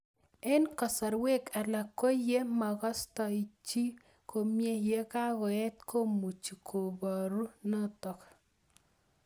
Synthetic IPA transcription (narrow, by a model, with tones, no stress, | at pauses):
ɛ˦nkɔ˨sɔ˨ɾwe˦ka˨la˨ko˦je˦ma˨ɡɔ˦stɔ˨i˨t͡ʃi˦ | kʰo˨mje˦je˦ka˦ɡɔ˨ɛ˦t̪ko˦mu˨t͡ʃːi˨kʰo˨bɔ˨ɾu˦nɔ˦tɔ˨k